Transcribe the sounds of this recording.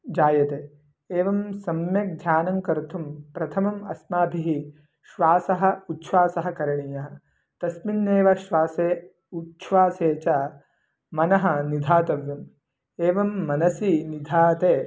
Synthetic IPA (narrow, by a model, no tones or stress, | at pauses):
d͡ʒaːjɐt̪eː | eːʋɐmsɐmjɐk̚d̪ʱjaːnɐŋkɐɾt̪ʰumpɾɐt̪ʰɐmɐmɐsmaːbʱiɦi | ʃʋaːsɐɦɐ̆utːʃʰʋaːsɐɦɐkɐɾɐɳijɐɦɐ̆ | t̪ɐsminːeːʋɐʃʋaːseː | utːʃʰʋaːseːt͡ʃɐ | mɐnɐɦɐ̆nid̪ʱaːt̪ɐʋjɐm | eːʋɐmːɐnɐsinid̪ʱaːt̪eː